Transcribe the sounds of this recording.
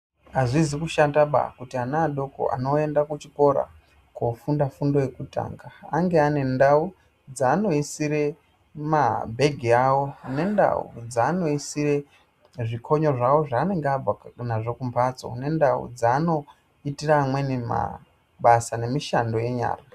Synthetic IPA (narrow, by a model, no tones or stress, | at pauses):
aʐizikuʃandaɓa̰kutianaːɗo̞ko̰ʔa̰no̞e̞ndakut͡ʃiko̞ɾa̰ | kofundafundo̞je̞kuta̰ːŋɡaaŋɡe̞ane̞ndau | d͡zaːno̞isiɾe̞ | mabʱe̞ɡʱiaːwo̞ne̞nda̰ṵd͡zaːno̞isire̞ | ʐikʰo̞ɲo̞ʐawo̞ʐaːne̞ŋɡeab͡vanaʐo̞kumpʰat͡so̞̰ne̞ndaṵd͡zaːno̞ | itiraːmwe̞nema̰ | ɓasane̞miʃando̞je̞ɲa̰ːra